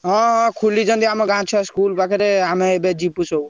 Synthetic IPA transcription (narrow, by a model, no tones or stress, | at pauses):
ɦɔ̃ɦkʰulid͡ʒənd̪iamɔɡãt͡ʃʰaskulpakʰeɾeamẽebed͡ʒipusou